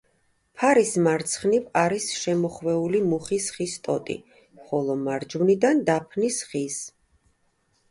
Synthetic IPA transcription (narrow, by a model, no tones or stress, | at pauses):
pʰaɾismaɾt̪sʰχnivaɾisʃɛmɔχvɛulimuχisχist̪ʼɔ̰t̪ʼḭ | χɔlˠɔmaɾd͡ʒvnid̪and̪apʰnisχis